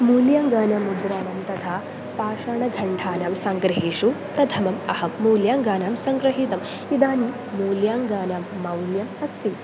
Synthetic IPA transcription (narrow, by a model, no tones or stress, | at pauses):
muːljaːŋɡaːnamːud̪ɾaːnɐmt̪ɐt̪ʰaː | paːʂaːɳɐɡʱɐɳʈʰaːnaːmsɐŋɡɾɐɦeːʂut̪ɐt̪ʰɐmɐmɐhɐmːuːljaːŋɡaːnaːmsɐŋɡɾɐɦit̪ɐm | id̪aːni | muːljaːŋɡaːnaːmːɐwljɐmɐst̪i